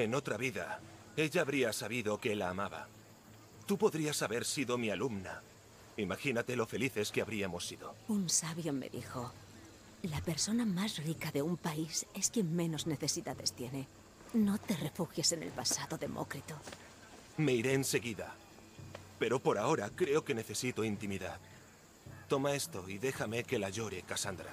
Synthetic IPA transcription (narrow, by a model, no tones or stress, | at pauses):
e̞no̞t̪ɾaβiða̰ | e̞ʝaːβɾiasaβiðo̞keelaːmaβa̰ | t̪upo̞ðɾiasaβe̞ɾsiðo̞mialumna | imaxinat̪e̞lo̞fe̞liθe̞skeaβɾiamo̞sːiðo̞unsaβjo̞mḛðḭxo̞ | lape̞ɾso̞namasrikaðe̞umpaise̞skje̞ŋmẽ̞no̞zne̞θe̞siðaðe̞st̪je̞ne̞ | no̞t̪e̞re̞fuxjese̞nelpasaðoðe̞̰mʔo̰kɾit̪o | me̞iɾe̞ːnse̞ɣiða̰ | pe̞ɾo̞po̞ɾao̞ɾakɾe̞o̞ke̞ne̞θe̞sit̪o̞int̪imiðað | t̪o̞mae̞st̪o̞iðe̞xame̞ke̞laʝo̞ɾe̞kasand̪ɾa̰